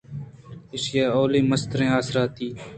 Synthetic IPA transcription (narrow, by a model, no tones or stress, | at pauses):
ɪskaːoːliːməst̪ɾẽːaːsɾaːt̪iː